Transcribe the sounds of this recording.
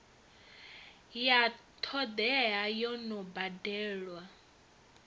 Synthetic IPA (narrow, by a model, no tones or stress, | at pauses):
jat̪ʰɔd̪ɛɦajɔnɔbadɛːɺwa